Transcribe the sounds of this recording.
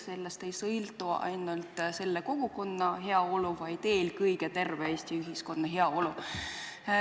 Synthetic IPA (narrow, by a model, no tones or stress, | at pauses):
se̞lːest̪e̞jsɤjlt̪ˑuʔɑ̰jnult̪ˑse̞lːeko̞ɡ̥uko̞nːɑɦe̞ɑo̞luvɑjt̪e̞ːlkɤjɡet̪e̞rveeːst̪iyɦisko̞nːɑɦe̞ɑo̞lu